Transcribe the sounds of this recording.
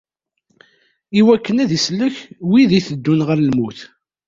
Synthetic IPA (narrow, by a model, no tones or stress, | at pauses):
iwækːənæðisləçwiðiθəd̪ːunʁəɾlmuθ